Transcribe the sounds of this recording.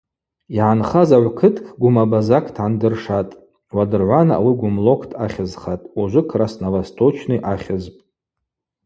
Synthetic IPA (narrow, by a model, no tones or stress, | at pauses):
iʕanχazaʕʷkʰɨtʰʼkʰʼɡʷʊmabazakʰtʰʕandɨrʂatʼ | wadɨrʕʷanaa̰wiɡʷʊmlo̞kʷʰtʰaχʲazχatʼuʒʷɨkʰrasnavastʰot͡ʃʰnɨʔaχʲɨzpʼ